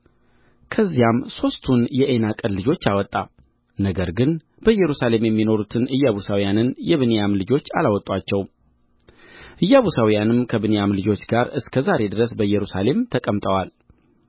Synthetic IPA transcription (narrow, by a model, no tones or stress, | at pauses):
kʰəzːijamso̞st̪ʰunjɛʔenakʼənlɨd͡ʒo̞t͡ʃːawɔt̪ʼːa | nəɡəɾɡɨn | b̥əɨjːɛɾusale̞mjɛmːino̞ɾut̪ʰɨnɨjːaβusawijanɨnjɛβɨnejamlɨd͡ʒo̞t͡ʃːa̰lawɔt̪ʼwat͡ʃːɛw | ʔɨjːaβusawijanɨmkʰəβɨnejamlɨd͡ʒo̞t͡ʃːɡaɾɨskʰəzaɾe̞d̪ɨɾəs̬bəjːɛɾusale̞mt̪ʰəkʼəmt̪ʼəwal